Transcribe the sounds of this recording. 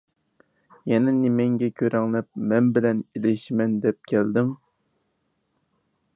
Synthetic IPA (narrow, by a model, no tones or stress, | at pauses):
jɛnɛnɪmɛŋɡʲɛkʲʰøɾɛŋlɛp̚mɛnbɪlɛnilɪʃmɛnd̪ɛp̚kʲʰæld̪ɪm